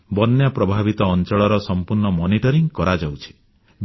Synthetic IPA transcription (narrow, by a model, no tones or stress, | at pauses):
bɔnjapɾɔbʱabit̪ɔːnt͡ʃɔɭɔɾɔsɔmpuɾɳɔmɔniʈɔɾiŋkɔɾad͡ʒawt͡ʃʰi̥